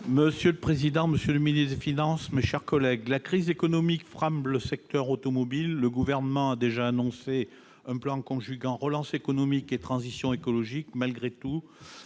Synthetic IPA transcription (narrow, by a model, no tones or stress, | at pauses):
məsjøləpχezid̪ɑ̃məsjøləminisd̪efinɑ̃smeʃɛʁkɔlɛɡlakχizekɔnɔmikfχãmləsɛk̚t̪œʁot̪ɔmɔbilːəɡuvɛʁnəmɑ̃ad̪eʒaːnɔ̃se | ɛ̃plɑ̃kɔ̃ʒyɡɑ̃ʁəlɑ̃sekɔnɔmiket̪χɑ̃zisjɔ̃ekɔlɔʒikmalɡʁet̪u